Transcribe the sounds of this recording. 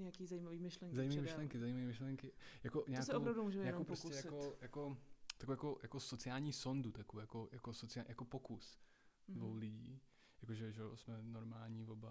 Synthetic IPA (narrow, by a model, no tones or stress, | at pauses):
ɲɛakiːzaiːmaviːmɪʃlɛŋkzajiːmaviːmɪʃlɛŋkɪzaiːmaviːmɪʃlɛŋkɪjakoɲaaksɪowpɾavdumuːʒɛmɛjɲaɛkomwpooskusɛjakojakot̪akwjakojakosot͡sɪaːlɲiːso̞ndut̪akoojakojakosot͡sɪajakopokus | dvowlɪɟḭː | jakoʒɛʒɛsmɛnoɾmaːlɲivoba